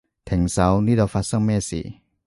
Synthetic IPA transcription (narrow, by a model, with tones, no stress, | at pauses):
t̪ʰɛ˨˦ŋsa˨˦wni˦˥dɔ˧fa˧˦˥sa˥˩meː˥˩sḭ˨˦